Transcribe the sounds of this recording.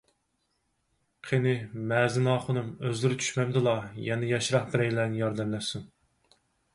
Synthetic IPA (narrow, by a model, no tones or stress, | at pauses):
qʰenɪmɛːzɪnɑːχʊnɨmøzlɪɾɪt͡ʃʰy̥ʃmɛmd̪ɨlˠɑjɛnɪjɑʃɾɑχbɪɾɛjlɛnɪjɑɾd̪ɛmlɛsun